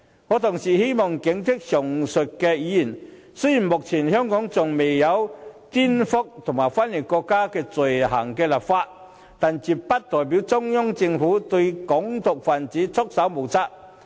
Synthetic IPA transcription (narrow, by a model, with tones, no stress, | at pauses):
ŋɔː˨˧t̪ʰʊ˨˩ŋsiː˨˩he˥jmɔː˨ŋkɪ˨˥ŋt̪ʰɪ˥k̚sɔ˨˩ŋsɵ˨˩t̚kːɛː˧jiː˨˧˥jiː˨˩n | sɵ˥jiː˨˩nmʊ˨k̚t͡sʰiː˨˩nhœː˥ŋkɔː˨˥ŋt͡sʊ˨ŋme˨jːɐ˨˧wt̪iː˥nfʊ˥k̚t̪ʰʊ˨˩ŋmaː˨˩jfa˥nli˨˩t̚kɔː˧kːaː˥kɛː˧t͡sɵ˨˩jha̰ː˨˩ŋkɛː˧la˨p̚faː˧t̚ | t̪aː˨nt͡si˨˩p̚pːɐ˥t̚t̪ɔː˨˩jp̬i˨˥wt͡sʊ˥ŋjʊ˥ŋt͡sɪ˧ŋfuː˨˥t̪ɵ˧ɥkɔ˨˥ŋt̪ʊ˨k̚faː˨˩nt͡siː˨˥t͡sʰʊ˥k̚sɐ˨˥wmo˨˩wt͡sa˥k̚